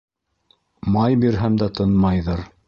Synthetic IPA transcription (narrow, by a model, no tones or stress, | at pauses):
mɑjbiɾɦæmd̪æt̪ʰɤnmɑjðɤɾ